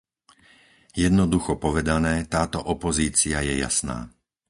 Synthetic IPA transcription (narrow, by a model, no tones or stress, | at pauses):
jɛd̪nɔd̪uxɔpɔʋɛd̪anɛːt̪aːt̪ɔʔɔpɔziːt͡siajɛja̰sna̰ː